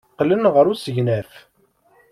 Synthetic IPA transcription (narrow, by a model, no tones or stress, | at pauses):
qlənʁəɾusəʝnæf